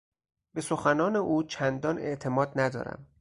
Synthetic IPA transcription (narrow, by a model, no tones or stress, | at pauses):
be̞so̞xænɒːne̞ʔuːt͡ʃʰænd̪ɒːne̞ʔt̪ʰe̞mɒːd̪næd̪ɒ̰ːɾæ̰m